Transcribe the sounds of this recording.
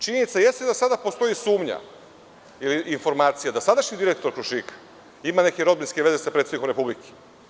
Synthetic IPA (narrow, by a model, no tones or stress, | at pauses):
t͡ʃiɲenit̪saje̞st̪ed̪asad̪apo̞st̪o̞jisuːmɲa̰ | iliːnfo̞ɾmaːt̪sijad̪asad̪aʃɲid̪iɾek̚t̪o̞ɾkɾuʃik | imane̞ke̞ɾo̞d̪binskeʋe̞ze̞sapɾet̪enikoɾe̞publikʰe̥